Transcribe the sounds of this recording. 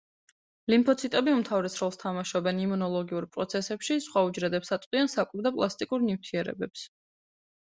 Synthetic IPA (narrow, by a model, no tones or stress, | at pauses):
limpʰɔt̪sʰit̪ʼɛbiumt̪ʰavɾɛsɾɔlˠst̪ʰamaʃɔbɛnimunɔlˠɔɡiuɾpʼɾɔt̪sʰɛsɛpʃisχwaud͡ʒɾɛd̪ɛpsat̪ʼqʼiansakʼuɾd̪apʼlˠast̪ʼikʼuɾnimt̪ʰiɛɾɛ̰bɛps